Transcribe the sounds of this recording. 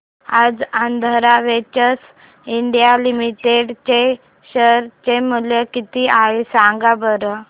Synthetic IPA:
ad͡zand̪ʱəɾaʋet͡ɕəs | iɳɖijalimiʈeɖt͡ɕe | ɕəɾt͡ɕemuljəkit̪iʔaisãŋɡabəɾə

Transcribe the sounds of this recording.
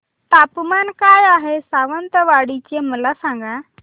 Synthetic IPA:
t̪aːpmaːnkaːjaːɦesaːʋənt̪əʋaːɽit͡ɕẽməlasãːŋɡʱã

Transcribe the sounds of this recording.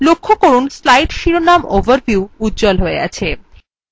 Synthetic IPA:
lokʰːokoɾunslajɖʃiɾonamovaɾvjuuut̪̚ːd͡ʑɔlɦoea̰t͡ɕʰe

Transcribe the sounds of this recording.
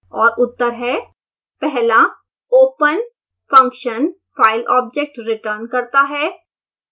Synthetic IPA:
ɔːɾʊt̪ːəɾɦɛ | pɛɦla | oːpən | fɐ̃ŋkʃən | faːɪlɔːb̚d͡ʒek̚ʈɾɪʈəɾnkɐɾt̪aɦɛː

